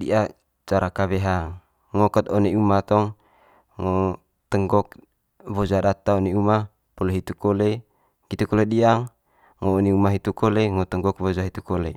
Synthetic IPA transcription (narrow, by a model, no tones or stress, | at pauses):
dḭʔa | t͡ʃaɾakaβeɦa | ŋɔkət̪ɔneumat̪ɔŋ | ŋo | t̪əŋɡɔk̚ | βod͡ʒadat̪aoniuma | pɔleɦit̪ukole | ɡit̪ukoleɗiaŋ | ŋoːneumaɦit̪ukoleŋɔt̪əŋɡɔk̚βod͡ʒaɦit̪ukolḛ